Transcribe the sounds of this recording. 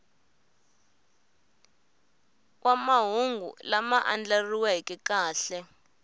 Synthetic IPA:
wamaɦuŋɡʱṵlamaʔand͡ɮariwaɦikɛkaːɬɛ

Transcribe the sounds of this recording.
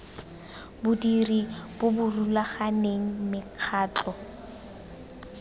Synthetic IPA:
bʊdiribʊbʊrulaχaneŋ̩mɪq͡χʰaːt͡ɬɔ

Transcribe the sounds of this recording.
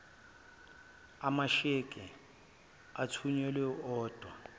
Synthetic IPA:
amaʃekʼɪ | atʰuɲɛlweɔːd̥ʱʼwa

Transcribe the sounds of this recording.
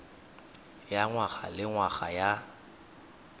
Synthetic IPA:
jaŋwaɣa̰lɪŋwaɣaja

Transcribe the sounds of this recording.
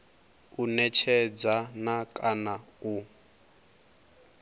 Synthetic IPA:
unɛt͡ʃʰɛd͡zanakʼanau

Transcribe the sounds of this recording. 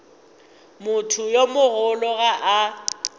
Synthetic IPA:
mʊtʰʊjomʊɣʊlɔɣaʔː

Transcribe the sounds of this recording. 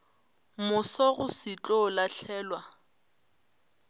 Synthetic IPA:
mʊsɔɣʊsɪt͡ɬʼɔlaɬʰɛːlwa

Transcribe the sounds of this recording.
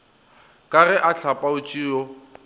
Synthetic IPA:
kʼarɛʔaɬʰapʼaʊt͡ʃʼiːɔ

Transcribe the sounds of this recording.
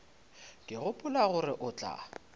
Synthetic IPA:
kʼɪɣʊpʼʊlaɣʊɾɪʔʊt͡ɬʼa̰

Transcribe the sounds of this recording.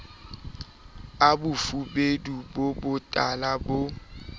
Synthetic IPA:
abʊfubedubobʊtʼalabo

